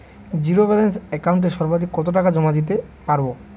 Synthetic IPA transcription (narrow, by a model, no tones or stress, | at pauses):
d͡ʑiɾobɛlensɛkawɳʈ̬eʃɔɾbad̪ʱikːɔt̪oʈ̬akad͡ʑɔmad̪it̪e | paɾbo